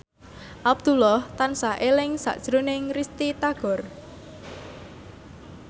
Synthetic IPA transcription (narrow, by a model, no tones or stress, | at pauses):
ʔab̚d̪̥ulɔht̪ansaʔelɪŋsa̰ʔd̥ʒ̥ɾonɪŋrist̪it̪aɡ̥ɔ̤r